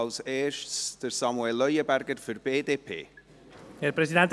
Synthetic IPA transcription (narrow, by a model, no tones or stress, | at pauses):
lseːʃtsd̥əɾsɑmuɛlːœjəbæɾɡəɾfyɾb̥eːdeːpʰḛː | elpɾesid̪ɛnt̪